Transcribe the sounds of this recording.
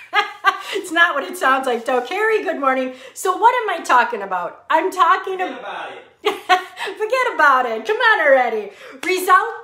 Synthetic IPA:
ɪtsnət̚wʌɾɨtsãʊ̃ndzlaɪk̚d̥õʊ̃kʰɛɹiɡʊd̚mɔɹnɪ̃ŋsoʊwʌɾɨ̃maɪtʰɔkɪ̃ŋəbaʊt̚ãɪ̃mtʰɔkɪ̃ŋɨ | fə˞ɡɛɾɨbaʊɾɪt̚kʰʌ̃mɪ̃ŋə̃nəɛɾiɹɪzʌlˠt

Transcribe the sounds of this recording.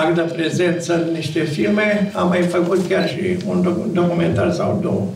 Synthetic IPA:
akɨt̪əpɾe̞ze̞nt̪səɨnniʃt̪e̞filme̞amːajfəkut̪kʲarʃḭunod̪o̞kument̪arsa̰wd̪o̰w

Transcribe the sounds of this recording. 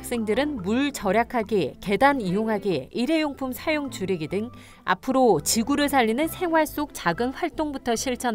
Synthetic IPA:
k̚s͈e̞ŋdɯɾɯnmuɭt͡ɕʌɾjakʰaɡeke̞danijoŋɦaɡeiɾe̞joŋpʰumsʰajoŋt͡ɕuɾeɡidɯŋ | a̰pʰɯɾot͡ɕiɡuɾɯɭsʰaʎːinɯnsʰe̞ŋɦwaɭs͈ok̚t͡ɕaɡɯnɸwaɭt͈oŋbutʰʌɕʰiɭt͡ɕʰʌn

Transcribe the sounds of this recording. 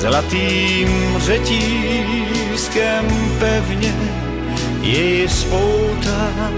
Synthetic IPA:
zlat̪iːmrɛciː | skɛmpɛvɲɛ | jɛjɪspowt̪a

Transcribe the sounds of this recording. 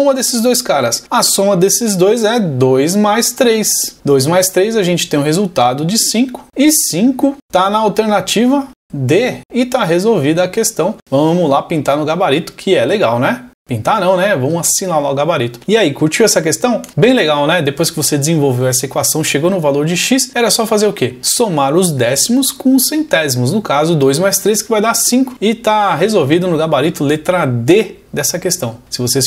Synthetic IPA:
ũmɐd̪esɪzd̪ojskaɾɐsɐsõmɐd̪esɪzd̪ojzɛd̪ojzmajst̪ɾejsd̪ojzmajst̪ɾejzaʒẽnt͡ʃɪ̥t̪ẽj̃ʊ̃hezuwt̪ad̪ʊd͡ʒɪsĩkʊ̥ɪsĩŋkʊt̪anɐawt̪eɾnat͡ʃivɐ | d̪eɪt̪aɦezowvid̪ɐːkest̪ɐ̃w̃vɐ̃mʊlapĩnt̪anʊɡabaɾit̪ʊ̥kʰɪɛleɡawnɛpĩnt̪anɐ̃w̃nɛvɐ̃mʊasinalaʊɡabaɾit̪ʊ̥ɪaikuɾt͡ʃiwɛsɐkest̪ɐ̃w̃bẽj̃leɡawnɛd̪epojskɪvosed͡ʒɪzẽvowvewɛsɐekwasɐ̃w̃ʃeɡonʊvaloɾd͡ʒɪʃisɛɾɐsɔfazeɾʊkesomaɾʊzd̪ɛsimʊskõʊsẽnt̪ɛzimʊznʊkazʊd̪ojzmajst̪ɾeskɪvajd̪aɾsĩŋkʊ̥ɪt̪aɦezowvid̪ʊnʊɡabaɾit̪ʊlet̪ɾad̪e | d̪ɛsɐkest̪ɐ̃w̃sɪvose

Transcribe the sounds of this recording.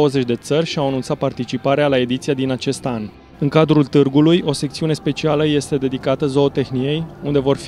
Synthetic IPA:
owəze̞t͡ʃʲd̪e̞t̪sərʲʃiawanunt̪sat̪̚part̪it͡ʃipaɾealae̞d̪it̪siad̪inat͡ʃe̞st̪an | ɨŋkad̪ɾult̪ɨrɡulujʔo̞sekt̪siune̞spe̞t͡ʃialəje̞st̪e̞d̪e̞d̪ikat̪əzo̞ot̪e̞xnie̞jund̪e̞vo̞rf

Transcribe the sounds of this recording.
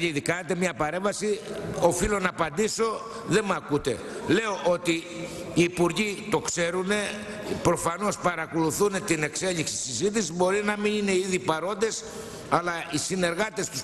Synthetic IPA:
iðikɐnet̪e̞mɲɐpɐɾe̞ɱvɐsio̞filo̞nɐːpɐnd̪iso̞ | ðe̞mɐkut̪e̞ | le̞o̞ʔot̪iː | puɾʝit̪o̞kse̞ɾune̞ | pɾo̞fɐno̞spɐɾɐko̞luθune̞t̪ine̞kse̞ʎiksi̥sizit̪̬isizbo̞ɾinɐminine̞iðipɐɾo̞nd̪e̞s | ɐlɐisine̞ɾɣɐt̪est̪us

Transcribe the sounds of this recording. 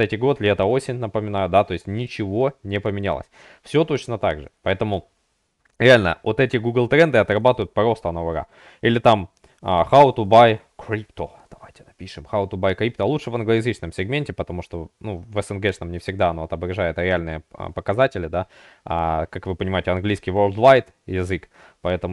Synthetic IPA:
ɛtʲɪɡo̞t̪lʲet̪əo̞sʲɪnʲnəpəmʲɪnajʊd̪at̪o̞ɪsʲtʲnʲɪt͡ɕɪvo̞nʲɪpəmʲɪnʲa̰lˠə̰sʲ | fsʲo̞t̪o̞t͡ɕnət̪a̰ɡʐɨ̰pɐɛt̪əmʊ | ɾʲɪalʲnə̰ot̪ɛtʲɪɡuɡlˠt̪ɾɛnd̪ɨɐt̪ɾɐbat̪ʊjʊt̪̚pɐɾo̞st̪ənovəɾa̰ | ilʲɪt̪am | əxaʊt̪ʊbaj | kɾʲipt̪o | d̪̥ɐvajtʲɪ̥nɐpʲiʂɨmxaʊt̪ʊbajkɾʲip̚t̪oɐlˠutʂɨvɐnɡlˠəjɪzɨt͡ɕnəmsʲɪɡmʲenʲtʲɪpət̪ɐmuʂt̪onuvɛsənɡɛʂnəmnʲɪfsʲɪɡ̚d̪aɐnoɐt̪ɐbɾɐʐajɪt̪əɾʲɪalʲnɨjə̰pəkɐzatʲɪlʲɪd̪a | a̰kakvɨpənʲɪmajɪtʲɪɐnɡlʲijskʲijvolˠd̪vajt̪ | jɪzɨk | pɐɛt̪əmʊ

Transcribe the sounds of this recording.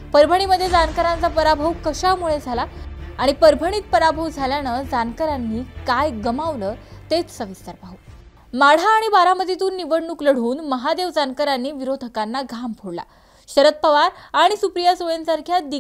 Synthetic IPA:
pəɾbʱəɽ̃iməd̪ʱːjed͡zankəɾant͡sapəɾabʱəʋkəɕamuɭed͡zʱalaaɽ̃ipəɾbʱəɽ̃iːt̪̚pəɾabʱəʋd͡zʱaljanəd͡zankəɾanːiːkajɡəmaʋləːt̪et͡ssəʋist̪aɾpaɦu | maɽ̤aːɽ̃ibaɾaməd̪ʱit̪uːnːiʋəɽɳukləɽ̤uːnməɦad̪eʋd͡zankəɾanːiːʋiɾod̪ʱəkanːaɡʱampʰoɽla̰ | ɕəɾət̪̚pəʋaɾaɽ̃isupɾijasoɭensaɾkʰjad̪i

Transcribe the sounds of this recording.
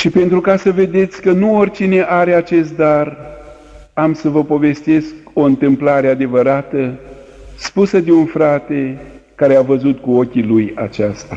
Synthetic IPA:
ʃipe̞nt̪ɾukasəve̞d̪e̞t̪sʲkənuorʲt͡ʃine̞ʔaɾe̞at͡ʃe̞st̪̚d̪ar | amsəvəpo̞ve̞st̪e̞sko̞ɨnt̪ɨmplaɾead̪e̞vəɾat̪ə | spusəd̪eunfɾat̪e̞kaɾeavəzut̪kuo̞kʲiluja̰t͡ʃast̪a

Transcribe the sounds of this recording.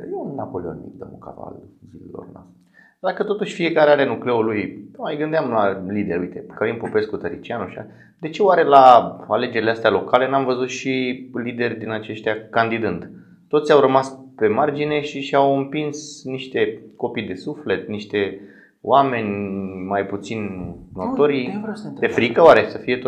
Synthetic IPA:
jennapolio̰nḭd̪o̰mṵka̰va̰lzilḛlo̰rna̰st̪ | d̪akət̪o̞t̪uʃʲfie̞kaɾeaɾenukle̞ulujmajɡɨnd̪eamlalid̪e̞ɾujt̪e̞kəvimpopeskut̪əɾit͡ʃianuʃia | d̪e̞t͡ʃe̞waɾe̞laale̞d͡ʒe̞ɾileast̪ealo̞kale̞namvəzut̪ʃilid̪e̞rʲd̪inat͡ʃe̞ʃt̪ʲjakand̪id̪ɨnd̪ | t̪ot̪sʲjawɾəmaspe̞mard͡ʒine̞ʃiʃawɨmpinsniʃt̪e̞ko̞pijd̪e̞sufle̞t̪niʃt̪e̞ | wame̞nʲmajput̪sinnot̪o̞ɾijvɾsd̪efɾikəwaɾe̞səfije̞t̪

